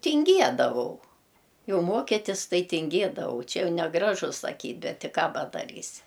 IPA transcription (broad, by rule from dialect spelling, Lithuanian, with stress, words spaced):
tʲɪŋʲˈɡʲiɛdɐʋɐʊ ˈjɛʊ ˈmoːkʲɪtʲɪs ˈtɐɪ tʲɪŋʲˈɡʲeːdɐʋɐʊ ˈt͡ʃʲɛ ˈjɛʊ nʲɛˈɡrɑːʒʊ sɐˈkʲiːtʲ ˈbʲɛt tʲɪ ˈkɑː pɐdɐˈrʲiːsʲɪ